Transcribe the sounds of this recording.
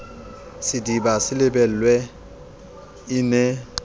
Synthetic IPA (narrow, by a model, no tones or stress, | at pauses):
sɪdibasɪlɪbɛl̩lwɛ | ɪnɛ